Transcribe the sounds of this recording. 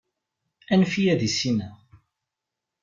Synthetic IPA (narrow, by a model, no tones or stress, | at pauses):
ænfijæðisinæ